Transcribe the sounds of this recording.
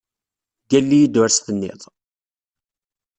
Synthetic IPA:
ɡælːijid̪æɾsθənːɪ̰ðˤ

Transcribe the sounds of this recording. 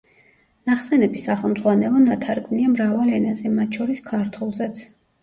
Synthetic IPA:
naχsɛnɛbisaχɛlˠmdzʁwanɛlˠɔnat̪ʰaɾɡʼvniamɾavalɛnazɛmat̪̚ʰt͡ʃʃʰɔɾiskʰaɾt̪ʰwɛlˠzɛt̪sʰ

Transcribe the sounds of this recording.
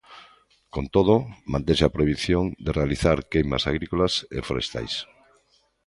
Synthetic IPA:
kont̪oð̞omãnt̪eseapɾojβiθjond̪erealiθaɾkejma̰saɣ̞ɾikolasḛfoɾest̪a̰js

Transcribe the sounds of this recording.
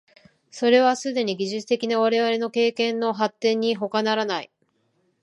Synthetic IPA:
so̞ɾe̞βasɨd̪e̞ɲ̟iɡʲiʑɨt͡sɨ̥t̪ekʲinaβaɾe̞βaɾe̞no̞ke̞ːkẽ̞nːo̞ɦat̪ːẽ̞ɲ̟ːiɦo̞kanaɾanai

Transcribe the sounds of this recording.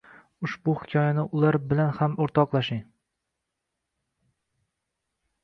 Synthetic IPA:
ʊʃbʊhɪ̥kʲʰɒjanɪʔʊlaɾbɪlanhamoɾt̪ʰɒqlˠaʃɪŋ

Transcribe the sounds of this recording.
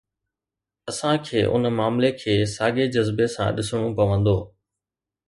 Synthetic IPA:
ɐsãkʰeːʔʊ̰nmaːmlekʰeːsaːɡed͡ʑəzbesã̰ɗɪsəɽ̃ũpɐʋə̃nd̪oː

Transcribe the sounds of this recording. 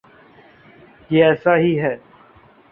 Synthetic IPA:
jeːɛːsaɦiɦɛː

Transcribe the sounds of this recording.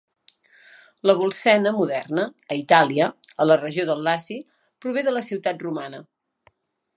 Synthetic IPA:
ləβ̞ulˠsɛnəmuðɛrnəːit̪aliəələrəʒioðəlːasi | pɾuβ̞eðələsiwt̪at̪rumanə

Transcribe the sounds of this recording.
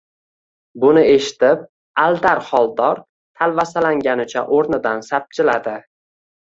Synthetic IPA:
bʊnɪe̞ʃɪ̥t̪ɪp | ald̪aɾχɒlˠd̪ɒɾ | t̪ʰalvasalaŋɡʲanɪt͡ʃʰa̰ʔoɾnɪd̪ansap̚t͡ʃʰɪlad̪ɪ

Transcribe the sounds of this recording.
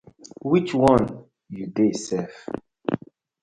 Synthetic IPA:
wit͡ʃwɔ̃n | judesɛf

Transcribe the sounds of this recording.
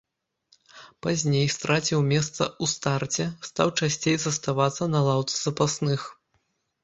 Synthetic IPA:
pazʲnʲejst̪ɾʔat͡sʲiwmʲɛs̬t̪sɐ̰ust̪art͡sʲɛst̪awt͡ʂasʲt͡sʲejzɐst̪avat̪sːɐnɐlˠawt̪sɨzɐpasnɨx

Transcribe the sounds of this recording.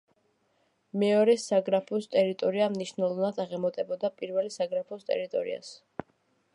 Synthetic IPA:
mɛɔɾɛsaɡɾapʰɔst̪ʼɛɾit̪ʼɔɾiamniʃnɛlˠɔvnad̪aʁɛmɔt̪ʼɛbɔd̪apʼiɾvɛlisaɡɾapʰɔst̪ʼɛ̰ɾit̪ʼɔɾḭa̰s

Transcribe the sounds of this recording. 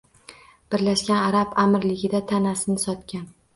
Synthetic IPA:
b̥ɪɾlaʃkʲanaɾapamɾlɪɡʲɪd̪at̪ʰanasɪnɪsɒt̪kʲan

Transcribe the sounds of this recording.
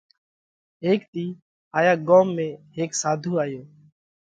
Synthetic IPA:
ɦeːkt̪iː | aːjaːɠoːmːẽːɦeːksaːd̪ʱuːaːjoː

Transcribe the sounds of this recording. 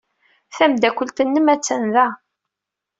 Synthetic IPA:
θæmd̪ækʷːəlt̪ənːəmæt͡sːənðæ

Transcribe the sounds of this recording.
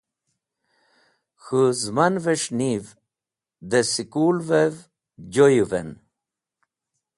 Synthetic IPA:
xuzmanveʂniv | d̪esikuːlvev | d͡ʑojuvḛn

